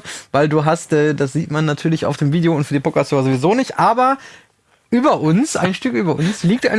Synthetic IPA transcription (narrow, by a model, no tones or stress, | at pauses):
vaɪlduːɦastʔɛːdasz̥iːtmanːatʰyːɐlɪça̰ʊfd̥eːmviːdeoʊntfyɐdiːpʰokasøːʁɐzovizoːnɪçtʔaːbɐ | ʔyːbɐʔʊnsʔa̰ɪnʃtʏkʔyːbɐʔʊnsliːk̚ta̰ɪ